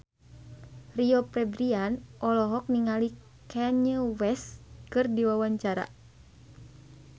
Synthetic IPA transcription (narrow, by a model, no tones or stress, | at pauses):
riɔpɾɛbɾianʔɔlɔɦɔk̚niŋali | kɛɲəwɛskɨrdiwawaɲt͡ʃaɾa̰